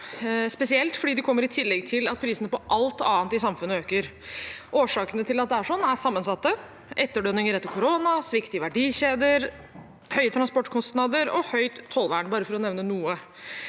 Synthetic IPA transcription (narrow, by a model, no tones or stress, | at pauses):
spɛsɪɛlt̪fɔɖiːd̪ɛkʰɔmːəɾɪt̪ʰɪlːɛɡt̪ʰɪlɑt̪̚pʰɾiːsənəpɔʔɑlt̪ɑːnt̪ɪsɑmfʉnəøːkəɾʔoːʂɑːkənət̪ʰɪlɑt̪̚d̪ɛæʂɔnːæsɑmːənsɑt̪ːə | ʔɛt̪ːəɖœnɪŋəɾɛt̪ːəkʰʊɾonɑsʋɪkt̪ɪʋæɖiːɕeːd̪əɾ | hœʏət̪ɾɑnspɔʈːkʰɔst̪nɑːd̪əɾɔ̰hœʏt̪ʰːɔlːʋæːəɳbɑːɾəfɔɾɔnɛʋnənuːə